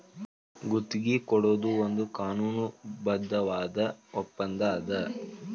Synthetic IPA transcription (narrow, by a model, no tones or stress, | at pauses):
ɡut̪ːiɡikɔɽo̞ːd̪uond̪ukaːnuːnubɐd̪ʱːɐʋaːd̪ɐɔpːɐnd̪ɐːd̪ɐ